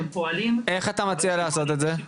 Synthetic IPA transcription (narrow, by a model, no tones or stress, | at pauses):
mpoalime̞χat̪amat͡sialaːso̞t̪̬e̞t̪ze